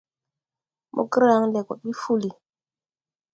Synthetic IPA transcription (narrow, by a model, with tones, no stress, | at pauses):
mʔo̰˨kə˦ɾa˦ŋlɛ˨kɔ˨ɗi˦fu˦li˨